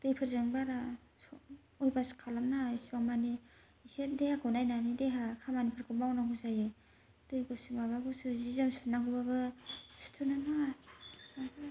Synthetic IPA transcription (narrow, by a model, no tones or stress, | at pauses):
d̥ɯjpʰɯɾzɯŋbaɾa | ojbaskʰalamnasibaŋmani | sedehakʰonajnanideɦakʰamanipʰɯɾkʰɯmawnaɦuzaje | d̥ɯjɡusumaβaɡusuzizamsunaɡubabɯsu̥tʰunana | a